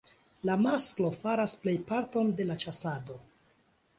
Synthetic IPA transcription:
lamasklo̞faɾasple̞jpaɾto̞nde̞lat͡ʃasado̞

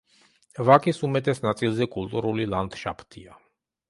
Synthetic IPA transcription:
vakʼisumɛt̪ʼɛsnat̪sʼilˠzɛkʼulˠt̪ʼuɾulilˠant̪ʃapʰt̪ʰia

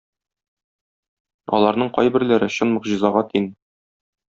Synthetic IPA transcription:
ɒ̰lˠɑɾnɤɴqɒjbɘ̆ɾlæɾɘɕɤ̆nmɤ̆qʑɤ̆zɑʁɑt̪ʰin

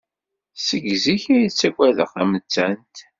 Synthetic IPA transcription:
səɡziçæjit͡sːæɡʷæðə̰χæmət͡sːænt̪

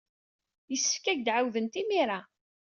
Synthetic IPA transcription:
jəsːə̥fkæʝd̪ʕawðənt̪imiɾa

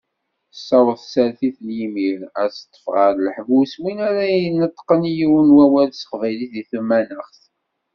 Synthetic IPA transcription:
sːɑwəθsæɾθiθljimiɾæt͡st̪ˤːə̥fʁəɾləħvuswinæɾanət̪ˤːqənjiwənwæwælsə̥qvæjliθiθəmːænəχθ

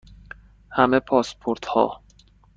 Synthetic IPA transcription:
hæmepʰɒːspʰoɾt̪hɒ̰ː

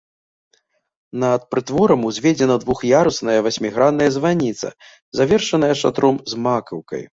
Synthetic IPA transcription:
nɐːt̪̚pɾɨt̪vɔɾɐmuzʲvʲɛd͡zʲɛnɐd̪vuxjaɾusnɐjɐvasʲmʲiɣɾad̪nɐjɐzvanʲit̪sɐ̰ | zavʲɛrʂɐnɐjɐʂa̰t̪ɾɔmzmakɐwkɐ̰j

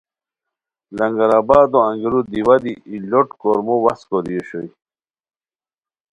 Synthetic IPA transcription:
lɐŋɡɐɾabaːd̪oɐ̃ŋɡiɾud̪iwad̪iiloʈkoɾmowɐskod̪ijoɕoj

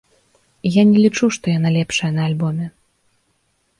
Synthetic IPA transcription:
janʲɛlʲit͡ʂuʂt̪ɔjanalʲɛpʂɐjɐnɐːlʲbɔmʲɛ

